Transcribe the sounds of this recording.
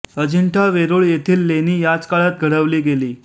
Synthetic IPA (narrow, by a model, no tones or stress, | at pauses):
əd͡ʑiɳʈʰaʋeɾoːɭjet̪ʰiːlːeniːjad͡zkaɭat̪̚ɡʱəɽəʋliːɡeliː